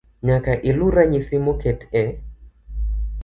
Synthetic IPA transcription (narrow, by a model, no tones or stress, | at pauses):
ɲakaʔiluɾaɲisimɔkɛtɛ